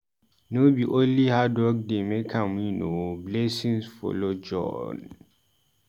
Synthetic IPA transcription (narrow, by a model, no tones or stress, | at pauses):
nobiʔonlihadwɔk̚demekʰãmwinoblɛsĩnsfɔ̰lod͡ʒɔ̰n